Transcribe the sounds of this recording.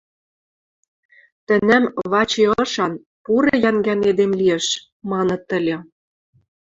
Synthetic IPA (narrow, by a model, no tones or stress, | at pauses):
t̪ə̆næmβɑt͡ɕeɤ̆ʃɑn | puɾĕjæŋɡæned̪emlijĕʃ | mɑnɤ̆t̪ːə̆lʲĕ